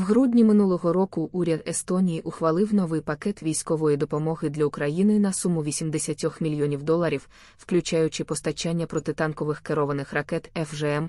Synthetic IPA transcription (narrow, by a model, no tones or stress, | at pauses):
wɦɾudʲnʲimɪnulˠɔɦɔɾɔkʊʔuɾʲɐd̪est̪ɔnʲijiʔʊxʋɐlˠɪwnɔʋɪjpɐkɛt̪ʋʲijsʲkɔʋɔjid̪ɔpɔmɔɦɪd̪lʲɐʊkɾɐjinɪnɐsumʊʋʲisʲimd̪esʲɐtʲɔxmʲilʲjɔnʲiwd̪ɔlˠɐɾʲiw | wklʲʉt͡ʃajʊt͡ʃɪpɔst̪ɐt͡ʃanʲːɐpɾɔt̪ɪt̪ɑnkɔʋɪxkeɾɔʋɐnɪxrɐkɛt̪ɛfʒɛɛm